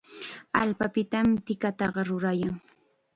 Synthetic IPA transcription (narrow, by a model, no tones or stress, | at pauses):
alpapɪt̪amt̪ɪkat̪ɑɢɑɾʊɾajaŋ